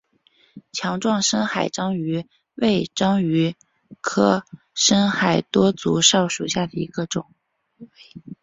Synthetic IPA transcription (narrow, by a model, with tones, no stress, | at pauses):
t͡ɕʰjɑ˧˥ŋʈ͡ʂwɑ˥˩ŋʂə˥nxa˨˩ɪʈ͡ʂɑ˥ŋy˧˥ | we˥˩ɪʈ͡ʂɑ˥ŋy˧˥ | kʰɤ˥ | ʂə˥ŋxa˨˩ɪt̪wɔ˥t͡su˧˥ʂɑ˥˩ʊʂu˨˩ɕja˥˩d̪ə˩ḭ˧˥ɡə˧ʈ͡ʂʊ˨˩˦ŋ